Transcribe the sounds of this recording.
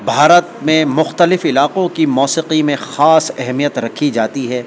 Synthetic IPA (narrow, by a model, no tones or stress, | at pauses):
bʱaːɾət̪mẽmʊxt̪əlɪfɪlaːqõkimɔːsiqimẽxaːsɛɦmijət̪ɾɐkʰːid͡ʒaːt̪iɦɛː